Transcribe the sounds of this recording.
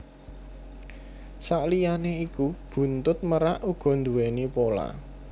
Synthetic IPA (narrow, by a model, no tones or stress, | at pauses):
saʔlijaneikub̥ṳnt̪ʊt̪̚məɾaʔuɡ̥ɔ̤nd̪uwenipola̰